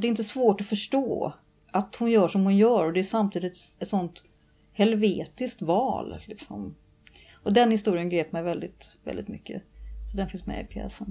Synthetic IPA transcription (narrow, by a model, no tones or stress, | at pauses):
d̪ɛɪnt̪əsvoːʈɔfœʂʈoː | ʔat̪hʊnjœːʂɔmhʊnjœːɾɔd̪ɛæʂamt̪ʰiːd̪ɪt̪sɛt̪sɔnt̪ | hɛlveːt̪ɪskt̪vɑ̰ːllɪksɔ̰m | ɔd̪ɛnhɪst̪uːɾɪənɡɾeːpmɛjvɛld̪ɪt̪vɛ̰ld̪ɪ̰t̪mʏ̰kːə̰sɔd̪ɛnfɪnsmɛ̰ɪ̰pʰḛɛ̰sən